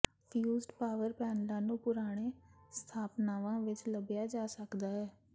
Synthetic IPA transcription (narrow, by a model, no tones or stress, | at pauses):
pʰjuːzɖpaːʋəɾpɛːnlãːnũːpʊɾaːɽ̃eːst̪ʰaːpnaːʋãːʋɪt͡ʃləbjaːd͡ʒaːsəkd̪aːɦɛː